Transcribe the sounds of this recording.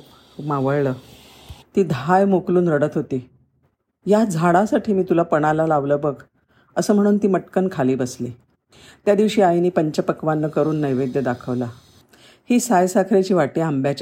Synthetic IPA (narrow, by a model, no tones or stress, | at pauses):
maʋəɭləː | t̪iːd̪ʱajmokluːnɾəɽət̪ɦot̪iː | jad͡zʱaɽasaʈʰiːmiːt̪ulapəɽ̃alalaʋləːbək | əsəːm̤əɽ̃uːnt̪iːməʈkənkʰaliːbəsli | t̪jad̪iʋɕiːajniːpəɲt͡ɕapəkʋanːəkəɾuːnːəjʋed̪jəd̪akʰəʋla | hiːsajsakʰɾat͡ɕiːʋaʈeambjat͡ɕa